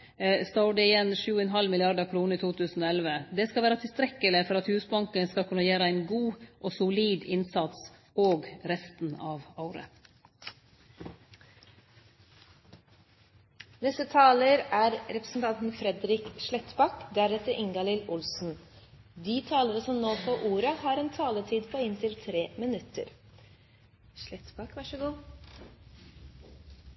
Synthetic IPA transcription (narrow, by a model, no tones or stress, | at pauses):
st̪oɖɛɪjɛnʃʉːəɛnɦɑlmɪlɪɑɖɑkʰɾuːnəiːt̪uːt̪ʰʉːsn̩oːɛlʋəd̪ɛskɑlʋæːɾət̪ʰɪlst̪ɾɛkːəlɪfɔɾɑt̪hʉːsbɑŋkənskɑlkʰʉnːɑjæːɾəæɪnɡuːʔoːsʊliːd̪ɪnsɑt̪s | oːɡɾɛst̪n̩ɑːʋɑʊɾə̰ | nɛst̪ət̪ʰɑːləɾæːɾɾɛpɾə̥sn̩t̪ʰɑnt̪n̩fɾɛd̪ɾɪkʃlɛt̪bɑkd̪æɾɛt̪əɾʔɪŋɡɑlɪlʊlsn̩ | d̪iːt̪ʰɑːləɾəsɔmnoːfʰɔʔuːɾəhɑːɾɛːnt̪ʰɑːlət̪ʰiːd̪pʰoːɪnt̪ʰɪlt̪ʰɾeːmɪnʉt̪ə̰ɾ | ʃlɛt̪bɑkʋɑʂəɡuː